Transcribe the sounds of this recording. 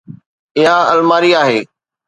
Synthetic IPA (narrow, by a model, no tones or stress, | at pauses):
ɪɦãɐlmaːɾiaːɦeː